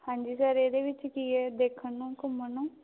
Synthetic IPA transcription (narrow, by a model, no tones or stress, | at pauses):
hãːɲd͡ʒisaɾed̪eʋɪt͡ʃkiɛd̪eːkʰənũkʊmənõ